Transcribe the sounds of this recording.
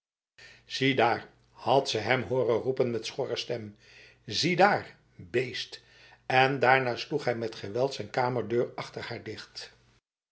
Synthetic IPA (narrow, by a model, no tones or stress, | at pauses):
z̥idaːɹ | hɑtsəɦɛmɦoːrərupənmɛtsχɔrəstɛm | zidaːɹ | bejst | ɛndaːɹnaːsluχɦɛjmɛtχəʋɛlˠtsɛjnkaːməɹdøːɹɑχtəɹhaːɹdɪχt